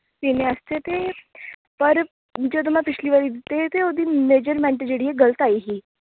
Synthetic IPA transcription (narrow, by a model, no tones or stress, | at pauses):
t̪ineəst̪et̪e | pəɾ | d͡ʒot̪̬um̤apɪt͡ʃʰliʋəɾid̪it̪et̪eod̪iːmeːd͡ʑəɾmɛ̃ɳʈed͡ʑeɽieɡələt̪aiɦiː